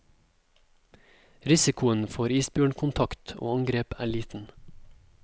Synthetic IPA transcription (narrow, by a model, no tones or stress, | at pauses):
ɾɪsɪkʊənfoːɾiːsbjøːɳkʰʊnt̪ʰɑkt̪ʰo̰ːɑŋɡɾeːpæ̰ːɭiːt̪n̩